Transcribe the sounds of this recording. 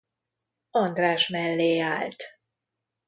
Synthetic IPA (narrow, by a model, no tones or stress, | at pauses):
ɒnd̪raːʃmɛlːeːaːlt̪